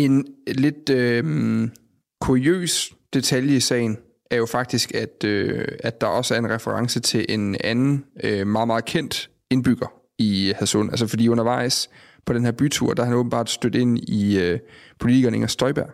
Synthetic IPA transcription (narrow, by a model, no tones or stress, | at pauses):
e̝nle̝d̥̚ø | kʰuʁiø̰ːs | d̥e̝t͡sʰæljəisɛ̰ɪn | æɐjo̝fɑ̈ɡ̥̚d̥isɡ̥æd̥øæ̥ɑ̈ʔɒ̽səæɐe̝nʁɛfəʁɑ̈ŋsət͡sʰe̝lʔe̝nænn̩ømɑ̈ːð̩ˠmɑ̈ːð̩ˠkʰen̰d̥ | e̝nb̥yɡ̥ɐ | ihæso̰nʔælsəfɒ̽d̥ḭːɔ̽nɐʋɑ̈ɪ̰s | pʰɒ̽d̥enhæɐb̥yt͡sʰṵɐ̰d̥æhænɔ̽ːb̥n̩b̥ɑ̰̈ːd̥sd̥ød̥̩e̝n̰iøpʰo̝lit͡sʰiɡ̥ɐːne̝̰ŋɐsd̥ɒɪb̥æɐ̰